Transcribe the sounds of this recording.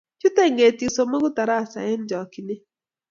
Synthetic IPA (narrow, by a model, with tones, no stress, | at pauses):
t͡ʃu˦te˦˨ŋɡe˨ti˨so˨ma˦ɡʊ˦ta˨ɾa˦˨sa̰˨ɪ˦n˦d͡ʒɔ˨kɪ˨nɪ˦